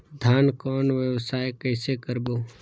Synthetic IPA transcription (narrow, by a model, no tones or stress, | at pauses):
d̪ʱaːnkɔːnʋjəʋsaːjkəːsekəɾboː